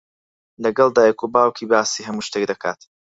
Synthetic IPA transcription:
lɐɡɐlˠd̪aːjɛkobaːwkʰiːbaːsiːɦɐmuːʃt̪ekd̪ɐkʰa̰ːt̪

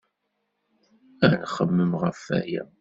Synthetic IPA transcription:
ænχəmːəmʁəfæ̰jæ̰

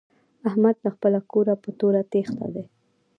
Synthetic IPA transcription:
ahmad̪laxpəlakoɾapət̪oɾat̪ext̪a̰d̪e

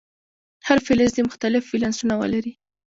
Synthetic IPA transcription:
haɾfelɪzd̪emʊxt̪alɪfːilansunawə̰laɾi

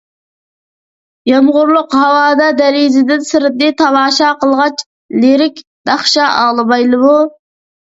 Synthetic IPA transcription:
jɑmʁʊɾlˠʊqhɑwɑːd̪ɑd̪ɛɾizɪd̪ɪnsɪɾɪd̪ɪt̪ʰɑmɑːʃɑqəlˠʁɑt͡ʃ | leɾɪkʲd̪̥ɑχʃɑʔɑːlˠɨbɑjlˠɨmu

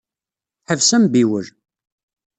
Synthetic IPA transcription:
ħəvsæmbiwəl

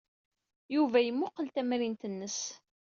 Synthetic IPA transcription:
juvæjəmːʊqːəlt̪æmɾint̪ənːəs

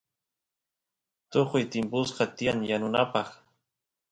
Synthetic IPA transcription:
t̪oqʊjt̪ɪmpʊsqɑt̪ɪaŋjanʊnapɑχ

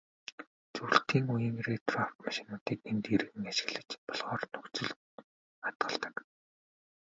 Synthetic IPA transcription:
t͡suɬt̪ʰiːŋujĭŋret̪raw̥t̪maʃɪ̆nʊːt̪iːkent̪iɾɣɘ̆ŋaʃɪ̥̆ɣɮɘ̆t͡ɕpɔɮʁɔːrnɵkt͡sɵ̆ɮ | at̪ɢə̆ɮt̪ə̥̆k

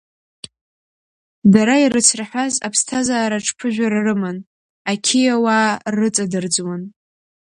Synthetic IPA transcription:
daɾaiɾɨt͡sʰraħʷazapʰstʰazaːɾaʈ͡ʂʰpʰɨʒᶣaɾarɨman | akʲʰijawaːrɨt͡sʼadɨrd͡zwan

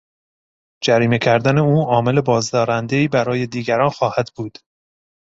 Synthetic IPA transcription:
d͡ʒæɾiːme̞cʰæɾd̪æne̞uːɒːme̞le̞bɒːzd̪ɒːɾænd̪e̞iːbæɾɒːje̞d̪iːɡæɾɒːnxɒːhæd̪buːd̪̥

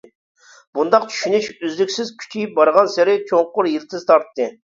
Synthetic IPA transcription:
b̥und̪ɑqt͡ʃʰy̥ʃynyt͡ʃyzlykʲsɪzkʲʰy̥t͡ʃʰijip̚bɑɾʁɑnsɪɾɪt͡ʃʰoŋqʊɾjilt̪ʰɪzt̪ʰɑɾt̪ːɨ

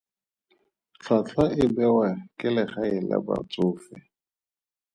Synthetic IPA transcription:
ɬʰat͡ɬʰaʔɪbɛwakʼɪlɛχaɪla̰ba̰t͡sʊːfɪ

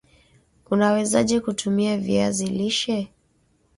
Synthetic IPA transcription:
unawɛzaʄɛkutʰumiaviaziliʃɛ

